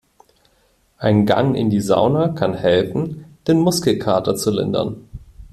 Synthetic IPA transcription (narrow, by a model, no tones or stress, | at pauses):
ʔaɪnɡa̰ŋʔɪ̰ndiːza̰ʊnɐkʰanhɛlfn̩d̥eːnmʊskl̩kʰaːɐtɐt͡sulɪ̰ndɐ̰n